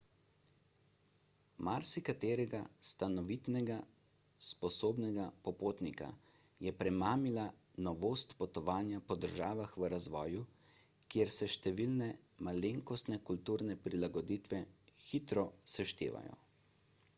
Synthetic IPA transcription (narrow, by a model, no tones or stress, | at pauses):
maɾsikat̪eːɾɛɡast̪anɔʋit̪nɛɡa | spɔsoːbnɛɡapɔpoːt̪nika̰ | jɛpɾɛmaːmila | nɔʋoːst̪pɔt̪ɔʋaːnjapɔd̪əɾʒaːʋaxʋəɾazʋɔːju | kjeɾsɛʃt̪ɛʋilnɛ | maleːŋkɔst̪nɛkult̪uːɾnɛpɾilaɡɔd̪iːt̪ʋɛxit̪ɾɔsaʃt̪ḛːʋa̰jɔ̰